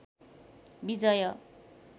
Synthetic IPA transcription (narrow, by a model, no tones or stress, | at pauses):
bid͡zʌjʌ